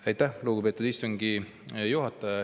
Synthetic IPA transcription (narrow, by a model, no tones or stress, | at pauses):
ɑjt̪ːˑæhluːɡ̥upe̞ːt̪ud̪ist̪oŋɡi | juɦɑt̪ːˑɑɑ